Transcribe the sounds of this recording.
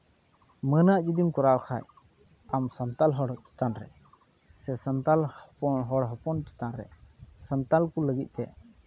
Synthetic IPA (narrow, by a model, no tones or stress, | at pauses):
mənaʔd͡ʒid̪imkɔɾawkʰa̰j | amsənt̪alɦɔɽt͡ʃi̥t̪anɾɛ̰ | sɛsənt̪alhpɔnɦɔɽɦɔpɔnt͡ʃi̥t̪anɾɛ̰sənt̪alkuləɡit̪̚ˀt̪ɛ̰